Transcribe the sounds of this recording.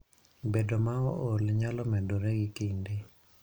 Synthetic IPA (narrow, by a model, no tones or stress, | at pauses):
bedomaɔolɲalɔmɛdoɾɛɡɪkinde